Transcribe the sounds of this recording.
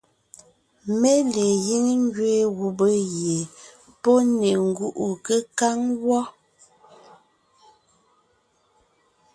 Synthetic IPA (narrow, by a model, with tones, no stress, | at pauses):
me˦le˨ji˦ŋ˦ŋɡɥeː˨˦ɣu˨bə˦ɣje˨ | pɔ˦ne˨ŋ̩˦ɡu˦ʔu˨kə˦ka˦ŋwɔ˦